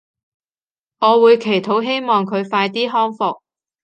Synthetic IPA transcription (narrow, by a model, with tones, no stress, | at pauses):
ŋɔː˨˧wuː˨˧jkʰe˨˩jt̪ʰo˨˥wɦe˥jmɔː˨ŋkʰɵ˨˧ɥfaː˧jt̪iː˥ɦɔː˥ŋfʊ˧k̚